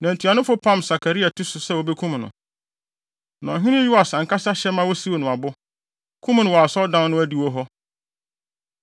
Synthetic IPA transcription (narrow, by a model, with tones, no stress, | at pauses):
nã˨n˨tʰi˨a˨nʊ̃˦fʊ˦pʰã˦msa˨kʰa˨ɾi˦a˨tʰu˦sʊ˨sɛ˦wo˨be˦kʰũ˦mnʊ̰̃˨ | nã̰˨ɦĩ˦nɪ̃˦ju˦a˨sã˨ŋ̩˨ka˦sa˦ɕɛ˦mã˦wɔ˦si˦wo˨nʊ̃˨a˨bʊ˦ | kʰũ˦m˨nʊ̃˨wɔ˨a˨sɔ˦dã˦nʊ̃˦æ˦di˦wɔ˦ɦɔ˦